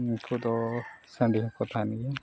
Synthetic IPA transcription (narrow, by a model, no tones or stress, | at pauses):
kʰud̪ɔsə̃ɳɖikɔt̪ʰaniɡɛ